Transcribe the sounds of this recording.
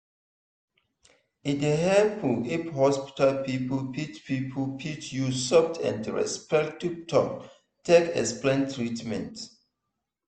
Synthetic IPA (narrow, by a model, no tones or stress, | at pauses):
ĩndeɦɛpʰuiphɔspi̥talpipolpitpipʰopʰitjusɔftʰɛ̰̃ndɹɛ̰spɛktivtʰɔk | tekɛ̰splɛ̃ntʰɹitmɛ̰̃nt